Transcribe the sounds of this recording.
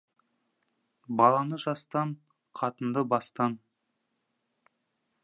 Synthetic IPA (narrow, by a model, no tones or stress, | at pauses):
bɑlˠɑnəʒɑst̪ɑɴ | qʰɑt̪ənd̪əbɑst̪ɑn